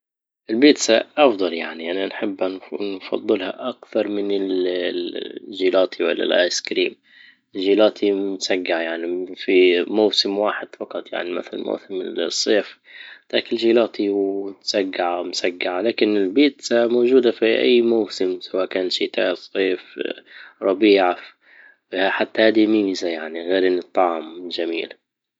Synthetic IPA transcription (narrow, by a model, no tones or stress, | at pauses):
ʔɪlbiːt̪saʔɑfd̪ˤɑljaʕniʔananħɪbːnfɑ̰d̪ˤːɨlha̰ʔakθɑɾˤmɪnɪl | ʒiːlaːt̪ʰiwa̰lːa̰lʔa̰ːjskɾiːm | ɪlʒiːlaːt̪ʰimsaɡːaʕajaʕnifimawsɪmwaːħɪd̪̥fɑqɑt̪ˤja̰ʕnima̰θala̰lma̰wsɪmɪsˤːeːf | t̪aːkɪlʒiːlaːt̪iwt̪saɡːaʕamsaɡːaʕalaːkɪnɪlbiːt̪samoːʒuːd̪afiʔa̰jːmawsɪmsawaːʔkaːnʃit̪a̰ːsˤeːf | ɾˤɑbiːʕa | fhaħat̪ːahaːd̪imiːzajaʕniɣeːɾʔɪnːɨt̪ˤːɑʕɑmʒamḭːla